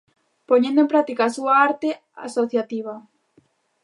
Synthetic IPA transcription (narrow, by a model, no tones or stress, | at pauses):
poɲẽnd̪oẽmpɾak̚t̪ikaːsuaaɾt̪e | a̰soθjat̪iβ̞ɐ